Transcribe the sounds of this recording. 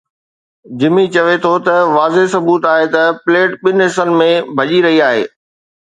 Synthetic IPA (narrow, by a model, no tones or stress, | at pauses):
d͡ʑɪmit͡ɕɐʋet̪ʰot̪ɐʋaːzesɐbuːt̪aːɦet̪ɐpleːʈɓɪnɪɦɪsənɪ̆mẽbʱɐʄiɾɐɦiaːɦḛː